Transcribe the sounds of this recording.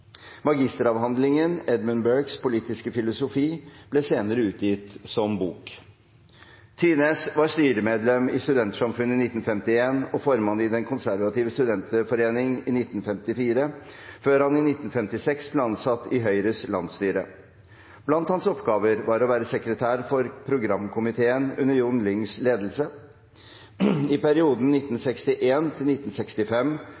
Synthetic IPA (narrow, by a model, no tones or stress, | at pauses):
mɑɡɪst̪əɾɑʋɦɑnd̪lɪŋənɛd̪mʉnbəɹɡspʰʊliːt̪ɪskəfɪlʊsʊfiːb̥lɛseːnəɾəʉːt̪ʰjɪt̪sɔmbuːk | t̪ʰyːnesʋɑɾst̪yːɾəmeːd̪lɛmɪst̪ʉd̪ɛnt̪sɑmfʉnːɪnɪt̪ːn̩fɛmt̪ɪeːnɔfɔɾmɑnɪd̪ɛnkʰʊnsæɾʋɑt̪iːʋəst̪ʉd̪ɛnt̪əfɔɾeːnɪŋɪnɪt̪ːn̩fɛmt̪ɪfiːɾəføːɾhɑnɪnɪt̪ːn̩fɛmt̪ɪsɛkspʰlɑːnsɑt̪ːɪɦœʏɾəslɑ̰nd̪st̪yːɾə̰ | b̥lɑnt̪hɑnsɔpɡɑːʋəɾʋɑɾɔʋæːɾəsɛkɾət̪ʰæːɾfɔɾpʰɾʊɡɾɑmkʰʊmɪt̪ʰeːənʉnɪjuːnlʏŋsleːd̪əlsə | ɪpæɾɪuːd̪n̩nɪt̪ːn̩sɛkst̪ɪʔeːnt̪ʰɪlnɪt̪n̩sɛkst̪ɪfɛm